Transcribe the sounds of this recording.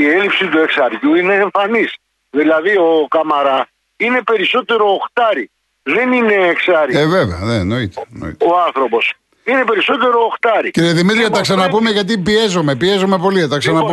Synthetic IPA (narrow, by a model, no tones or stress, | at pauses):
ielipsit̪ue̞ksɐɾʝuineːɱfɐnis | ðilɐðiokɐmɐɾɐ | ine̞pe̞ɾiso̞t̪e̞ɾo̞ːxt̪ɐɾi | ðe̞nine̞ːksɐɾieve̞veɐ̰neːno̞it̪eno̰ḭt̪oɐnθɾo̞po̞s | ine̞pe̞ɾiso̞t̪e̞ɾo̞ːxt̪ɐɾiciɾieðimit̪ɾiɐt̪ɐksɐnɐpumeʝɐt̪̬ipie̞zome̞pie̞zome̞po̞lit̪ɐksɐnɐpu